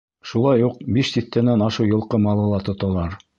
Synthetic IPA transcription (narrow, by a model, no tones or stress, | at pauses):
ʃulˠɑjuq̚biʃsiθt̪ːænænɑʃɤwjɤ̆lˠqɤmɑlˠɤ̆lˠɑt̪ŏt̪ɑlˠɑɾ